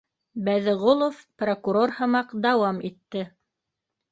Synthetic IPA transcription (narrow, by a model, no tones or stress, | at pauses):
bæðɘ̆ʁolˠofprokuɾorhɤ̆mɑqd̪ɑwɑmit̪ːɘ